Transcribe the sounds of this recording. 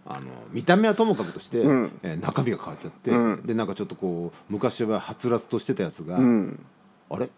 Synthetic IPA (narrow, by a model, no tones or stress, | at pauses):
a̰no̞̰mʲit̪ame̞at̪o̞mo̞kakɯ̟t̪o̞ɕi̥t̪e̞nakamʲiɡakaβat͡ɕ̚ːt͡ɕat̪ːe̞d̪e̞nãŋkat͡ɕo̞t̪ːoko̞ːmɯ̟kaɕiβahat͡sɨɾat͡sɨ̥t̪o̞ɕi̥t̪e̞t̪ajat͡sɨɡa | aɾe̞